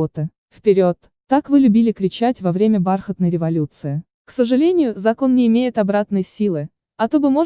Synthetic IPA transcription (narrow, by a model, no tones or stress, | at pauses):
ot̪ɨ | fpʲɪɾʲo̞t̪ːakvɨlʲʉbʲilʲɪkɾʲɪt͡ɕætʲvɐvɾʲemʲəbarxət̪nəjɾʲɪvɐlʲut̪sɨɪ | ksəʐɨlʲenʲɪjʊzɐko̞nːʲɪːmʲejɪt̪ɐbɾat̪nɨjsʲilˠɨ | ɐt̪obɨmo̞